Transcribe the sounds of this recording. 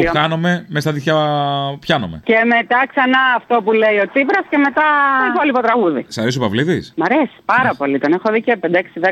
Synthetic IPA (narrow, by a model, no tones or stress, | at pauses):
xɐnome̞mest̪ɐðiçɐpçɐno̰me̞ce̞me̞t̪ɐksɐnɐːft̪o̞puleio̞t͡sipɾɐsce̞me̞t̪ɐipolipot̪ɾɐɣuðisɐɾisopɐvliðismɐɾesi̥pɐɾɐpo̞lit̪o̞nexo̞ðicepend̪ɐeksiðe